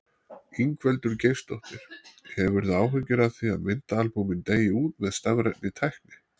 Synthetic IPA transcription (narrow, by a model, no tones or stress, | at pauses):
iŋkʰvɛlt̪ʏɾcejst̪ɔht̪ɪɾ̥hɛvʏɾðaːwɦʏcːɪɾaðθiaðmɪnt̪aalpumɪnt̪eːjɪuːt̪mɛðst̪aɣɾɛt̪nɪt̪ʰajhknɪ